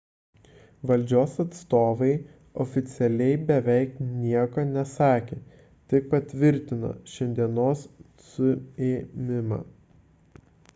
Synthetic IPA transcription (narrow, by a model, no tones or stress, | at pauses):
ʋɐlʲˑd͡ʒʲoːsɐt̪st̪oːʋɐɪ | ɔfʲɪt̪sʲɛlʲɛɪbʲɛʋʲɛɪknʲiɛkonʲɛsɑːkʲeː | t̪ʲɪk̚pɐt̪ʲʋʲɪɾʲt̪ʲɪno̰ʃʲɛnʲd̪ʲiɛnoːs | sʊeːmʲɪmɑ̰ː